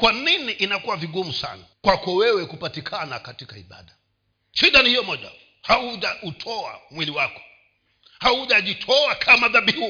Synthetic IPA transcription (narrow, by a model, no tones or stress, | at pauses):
kwaniniʔinakuwaviɠumusa̰nakwakɔwɛwɛkupatikʰanakatikaiɓa̰ɗa | ʃiɗanihijɔmɔʄa̰ | hauʄautʰɔa̰mwiliwakɔ̥ | hauʄaʄitʰɔakʰamaðaɓiu